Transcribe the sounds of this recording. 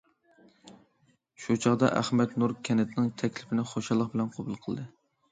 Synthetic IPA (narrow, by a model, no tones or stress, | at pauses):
ʃut͡ʃʰɑʁd̪ɑ̰ʔæχmɛt̪nuɾkʲʰɛnɪt̪nɪŋt̪ʰɛkʲlɪpʰɪnɪχoʃɑlˠːəqbɪlɛnqʰobulˠqʰəl̰ˠd̪ɨ